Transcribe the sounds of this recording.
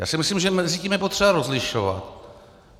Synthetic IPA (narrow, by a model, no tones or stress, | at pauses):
ja̰ːsɪmɪsliːmʒɛmɛziciːmjɛpo̞t̪r̥ɛbaɾozlɪʃo̰va̰t̪